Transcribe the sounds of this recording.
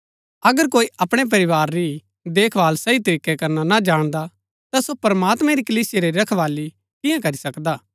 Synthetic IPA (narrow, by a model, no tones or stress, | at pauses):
ɐɡəɾkoːiʔɐpɽ̃ep̬ɐɾɪʋaːɾːi | d̪eːkʰʋaːlsɐit̪̬ɐɾiːkːɛkɐɾnanad͡ʒaːɽ̃d̪a | t̪asopɐɾɐmaːt̪mɛ̃ɾikɐliːsɪjeɾeɾɐkʰʋaːli | k̪ɪ̃jãkɐɾisɐkd̪aː